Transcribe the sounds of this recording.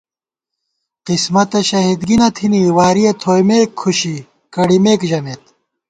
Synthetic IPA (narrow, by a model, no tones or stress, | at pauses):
qismɐt̪ɐɕɐɦid̪ɡinɐt̪ʰiniwaːɾijɐt̪ʰoːjmeːkʰːuɕi | kɐɽimeːkʑɐmeːt̪